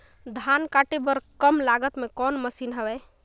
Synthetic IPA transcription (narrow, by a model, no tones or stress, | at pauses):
d̪ʱankaʈebəɾkəmlaɡət̪mekɔnməsinɦəbɛj